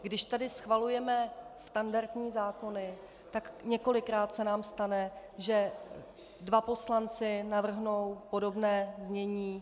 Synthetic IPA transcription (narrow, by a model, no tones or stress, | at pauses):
ɡdɪʃt̪adɪsxvalujɛmɛst̪andaɾt̪ɲiːzaːko̞nɪ | t̪akɲɛko̞lɪkɾaːt̪sɛnaːmst̪anɛ | ʒɛ | dvapo̞slant͡sɪnavr̩ɦno̞wpo̞do̞bnɛːzɲɛɲiː